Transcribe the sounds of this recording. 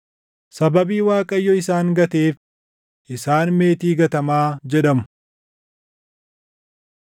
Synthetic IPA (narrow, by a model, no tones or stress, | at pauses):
sɐbɐbiːwaːkʼɐjːɔɪsaːŋɡɐt̪eːf | ʔɪsaːnme̞ːt̪iːɡɐt̪ɐmaːd͡ʒɛᶑɐmʊ̥